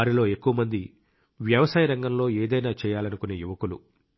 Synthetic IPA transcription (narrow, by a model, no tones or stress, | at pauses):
aːɾilo̞ːe̞kːuʋɐmɐnd̪i | ʋjɐʋɐsaːjɐɾɐŋɡɐmlo̞ːeːd̪ɐjnaːt͡ʃɛːjaːlɐnukuneːjuʋɐkulṵ